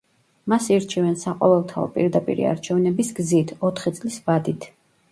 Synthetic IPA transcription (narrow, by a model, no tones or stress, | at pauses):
masiɾt͡ʃʰivɛnsaqʼɔ̰vɛlˠt̪ʰaɔ̰pʼiɾd̪apʼḭɾḭa̰ɾt͡ʃʰɛvnɛbisɡzit̪ʰɔt̪ʰχit̪sʼlisvad̪it̪ʰ